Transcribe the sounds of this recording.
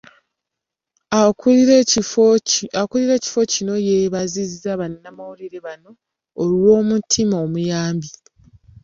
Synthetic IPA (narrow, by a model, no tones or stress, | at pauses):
akuliɾe̞ːci̥fo̞cino̞je̞βazizizaβannamawuliɾe̞βano̞ː | lwo̞ːmutʰimaomujaːmbi